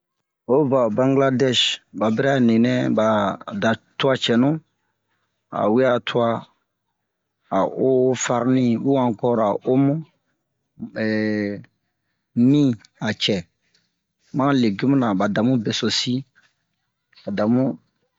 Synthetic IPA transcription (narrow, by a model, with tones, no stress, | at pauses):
o˦va˨bã˦ŋɡla˦dɛ˦ʃba˨bɛ˦ɾa˦˨nĩ˨nɛ̃˦ba˨da˨tu˦a˦t͡ʃɛ˨nũ˦ | a̰˨wi˦a˨tʰu˦a˦˨ | o˦fa˦ɾnĩ˦bu˦wã˨ŋ˨kɔ˦ɾa˨ʔo˦mũ˦ | ɛ˨ | mĩ˦ | a˨t͡ʃɛ˨ | mã˦le˨ɡi˦mũ˦nã˨ba˨da˨mũ˦bɛ˨so˨si˦ | ba˨da˨mũ˦